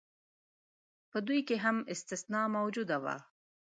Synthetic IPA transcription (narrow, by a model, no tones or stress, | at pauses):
pəd̪ujkeɦamɪst̪ɪsnɑmawd͡ʒud̪awa̰